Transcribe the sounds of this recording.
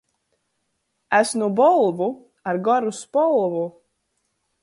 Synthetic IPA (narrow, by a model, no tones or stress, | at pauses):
æsnubɔlˠvu | aɾɡɔɾuspɔlˠvu